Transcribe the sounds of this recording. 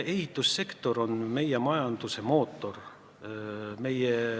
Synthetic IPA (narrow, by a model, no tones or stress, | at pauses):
e̞ɦit̪ːˑusːe̞kt̪o̞ɾo̞nme̞jemɑjɑnd̪̥use̞mo̞ːt̪ːˑo̞r | me̞je